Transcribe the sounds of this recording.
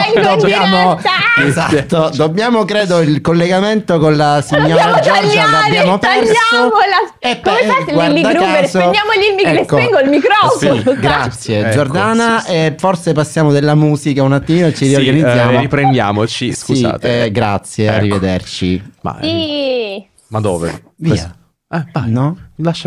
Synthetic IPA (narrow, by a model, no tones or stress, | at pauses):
ɛŋd̪objaːmoaezat̪ːod̪obːjaːmokɾeːd̪oilkolːeɡament̪okonlasiɲːɔːɾad͡ʒɔrd͡ʒlabjaːmopɛrjasomolaepːɔwadliaɾkːazoejaːmoʎilmikːoɛŋɡoilmikɾɔfosiɡɾat̪sːjed͡ʒord̪aːnaeforsepasːjaːmod̪elːamuːzikaunat̪ːimiːnoet͡ʃːiɾiorɡanid̪zːjaːmoipɾend̪ja̰ːmot͡ʃisksuzḭːt̪ɛɡɾa̰t̪sjea̰rːived̪ert͡ʃḭba̰i | mad̪o̰ːvḛ | viːa | ɛbajnɔlaʃː